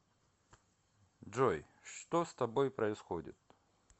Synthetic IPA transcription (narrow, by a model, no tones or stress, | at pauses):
oj | ʂt̪ost̪ɐbojpɾɐɪsxodʲɪ̰t̪